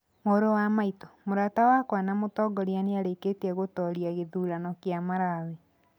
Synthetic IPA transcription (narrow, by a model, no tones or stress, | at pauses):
moɾowamaitɔ̥moɾatawakwanamotɔɡɔɾianeaɾeketɛɣotɔɾiaɣeðuːɾanɔkjamaɾawɛ